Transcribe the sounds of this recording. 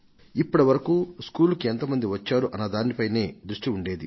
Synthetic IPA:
ipːɐɽɐʋɐɾɐkuːskuːlukient̪ɐmɐnd̪iʋɐt͡ʃːaːɾuʔɐnːɐd̪aːnipɐjne̞ːd̪ɾuʂʈiuɳɖeːd̪ḭ

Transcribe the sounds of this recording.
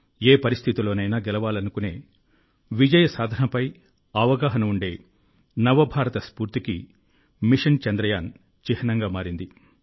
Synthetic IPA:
eːpɐɾist̪ʰit̪ilo̞ːnɐjnaːɡɛlɐʋaːlɐnukune̞ː | ʋid͡ʒɐjɐsaːd̪ʱɐnɐpɐj | ɐʋɐɡaːɦɐnɐuɳɖe̞ː | nɐʋɐbʱaːɾɐt̪ɐspuːɾt̪ikḭ | miʂɐnt͡ʃɛnd̪ɾɐjaːn | t͡ʃihɐnɐŋɡaːmaːɾind̪i

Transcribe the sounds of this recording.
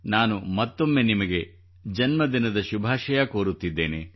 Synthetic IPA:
naːnumɐt̪ːomːe̞nimɐɡe̞ | d͡ʒɐnmɐd̪inɐd̪ɐʃubʱaːʃɐjɐkoːɾut̪ːid̪ːe̞̰ːne

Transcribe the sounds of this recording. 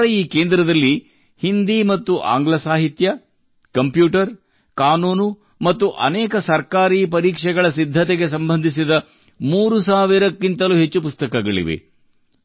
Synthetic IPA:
ɾɐiːkeːnd̪ɾɐd̪ɐlːi | hind̪imɐt̪ːuʔa̰ːŋɡlɐsaːɦit̪jɐ | kɐmpjuːʈɐɾ | kaːnuːnu | mɐt̪ːuʔɐ̰nɛːkɐsɐɾkaːɾiːpɐɾiːkʂɛɡɐɭɐsid̪ʱːɐt̪ɛɡe̞sɐmbɐnd̪ʱisid̪ɐ | muːɾusaːʋiɾɐkːint̪ɐluɦet͡ʃːupust̪ɐkɐɡɐɭḭʋḛ

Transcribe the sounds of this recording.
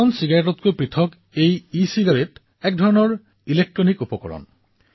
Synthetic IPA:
ɔnsiɡaɹetɔt̪̚kupɹit̪ʰɔk | ejisiɡaɹet | ɛk̚dʱɔɹɔnɔɹ | ilek̚ʈɹɔnikupɔkɔ̰ɹɔ̰n

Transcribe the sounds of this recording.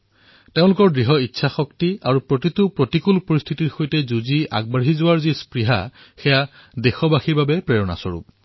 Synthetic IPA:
teʊ̃lʊkɔɹdɹiɦɔitːsʰaxɔktiaɹupɹotitupɹotikulpoɹist̪ʰitiɹxojtɛzuzia̰ɡ̚baɹɦizʊwaɹzispɹiɦa̰ | xeja | dexɔbaxiɹbabɛpɹejɔna̰sɔ̰ɹṵp

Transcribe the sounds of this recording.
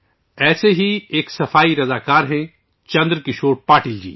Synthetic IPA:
ɛːseɦieːksɐfaːiɾɐzaːkaːɾɦɛ̃ | t͡ʃɐ̃nd̪ɾkɪʃoːɾpaːʈɪld͡ʒḭː

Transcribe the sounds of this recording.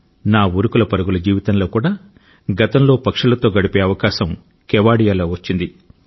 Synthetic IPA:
naːuɾukulɐpɐɾɐɡulɐd͡ʒiːʋit̪ɐnlo̞ːkuːɽaː | ɡɐt̪ɐmlo̞ːpɐkʂɐlɐt̪o̞ːɡɐɽipe̞ːɐʋɐkaːʃɐm | kɛʋaːɽijaːloːʋɐt͡ʃːind̪i

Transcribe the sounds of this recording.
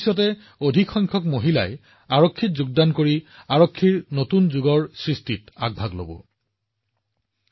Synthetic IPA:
sɔtɛ | odʱikxɔjŋkʰɔkmoɦila̰j | aɹɔkʰːitzuɡ̚dankoɹiaɹɔkʰːiɹnotunzuɡɔɹsɹistita̰ɡ̚bʱaɡlo̰bɔ̰

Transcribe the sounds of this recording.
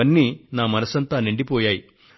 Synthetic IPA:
ɐnːiːnaːmɐnɐsɐnt̪aːniɳɖipoːjaːji

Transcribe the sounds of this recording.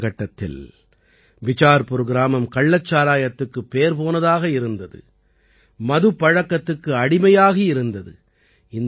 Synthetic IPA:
ɣɐʈːɐt̪ːɪ̰l | ʋɪt͡ʃaːɾpɯɾɯɣɪɾaːmɐmkɐɭːɐt͡ʃːaːɾaːjɐt̪ːɯkːɯpːeːɾpoːnɐðaːɣɐɪɾɯnd̪ɐðɯ̰ | mɐðɯpːɐɻɐkːɐt̪ːɯkːɯɐɽɪmɐjaːɣɐɪɾɯnd̪ɐðɯ̰ | ɪn

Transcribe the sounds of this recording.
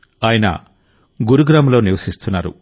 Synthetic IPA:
aːjɐnɐ̰ | ɡuɾuɡɾamloːniʋɐsist̪unːaːɾṵ

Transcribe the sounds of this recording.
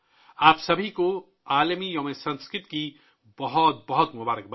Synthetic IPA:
aːpsɐbʱiko | aːləmijɔmesɐ̃nskɾɪt̪ki | bɔɦɔt̪̚bɐɦɔt̪mobaːɾək̚bɐ

